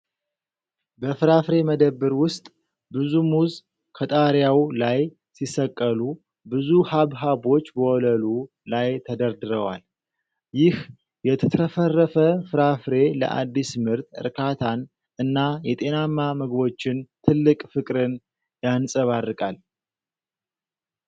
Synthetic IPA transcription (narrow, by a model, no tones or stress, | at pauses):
bəfɨɾafɾe̞məd̪əbːɨɾwʊst̪ʼ | bɨzumuz | kʰət̪ʼaɾjawlaj | sisəkʼːəlu | bɨzuhaβɦabo̞t͡ʃːbəwɔləlu | lajt̪ʰəd̪əɾd̪ɨɾəwa̰l | jɪh | jɛt̪ʰət̪ʰɾəfərːəfəfɨɾafɾe̞lə̰ʔa̰d̪ːismɨɾt̪ʼɨ̰ɾkʰat̪ʰan | ɨnːajɛt̪ʼe̞namːaməɡbo̞t͡ʃːɪnt̪ʰɨlːɨkʼfɨkʼɾɨn | jansʼəβarːɨkʼal